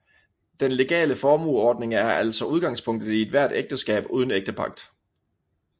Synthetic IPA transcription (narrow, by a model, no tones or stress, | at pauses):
d̥enle̝ɡ̥ɛ̰ːləfɒːmṵɒːd̥ne̝ŋæɐʔæl̰sɒ̽ʔuð̞ˠɡ̥ɑ̈ŋspʰɔ̽ŋ̰d̥ð̩ˠie̝d̥ʋæɐd̥eɡ̥̚d̥əsɡ̥ɛ̰ːb̥uːð̞ˠn̩eɡ̥d̥əpʰɑ̈ɡ̥̚d̥